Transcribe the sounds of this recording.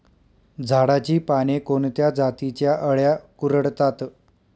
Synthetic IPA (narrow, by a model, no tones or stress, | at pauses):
d͡zʱaɽat͡ɕiːpaɽ̃ekont̪jad͡zat̪it͡ɕjaʔəɭjakuɾəɽt̪at̪